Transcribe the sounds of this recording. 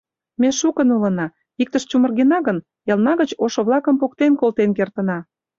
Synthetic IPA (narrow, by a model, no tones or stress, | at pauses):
meʃukənulə̆nɑ | ik̚t̪əʃt͡ɕumə̆rɣenɑɣən | ɑlnɑɣət͡ɕoʃŏβlɑkə̆mpok̚t̪enkolt̪enkert̪ə̆nɑ